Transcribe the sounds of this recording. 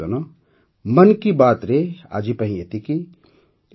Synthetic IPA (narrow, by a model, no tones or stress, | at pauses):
ɐno | mɐnkibaːt̪ɾeːa̰ːd͡ʒipɐɦĩet̪iki